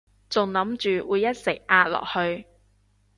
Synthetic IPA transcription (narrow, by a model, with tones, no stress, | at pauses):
t͡sʊ˨ŋlɐ˨˥mt͡ʃyː˨˩wuː˨˧jɐ˥t̚sɪ˨˩k̚ʔaː˧t̚lɔ̰ː˨˩k̚hɵ˧ɥ